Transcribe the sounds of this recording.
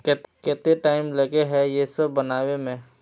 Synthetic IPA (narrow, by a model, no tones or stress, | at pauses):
kɛːt̪eʈaːɪmlɐɡeɦɛjesəbːɐnaːwemẽ